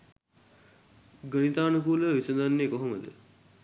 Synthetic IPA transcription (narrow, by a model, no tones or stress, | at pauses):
ɡənit̪aːnukuːləʋisəd̪anːekoɦoməd̪ə̰